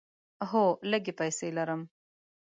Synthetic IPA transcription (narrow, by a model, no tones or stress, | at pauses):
ɦoləɡepajselaɾəm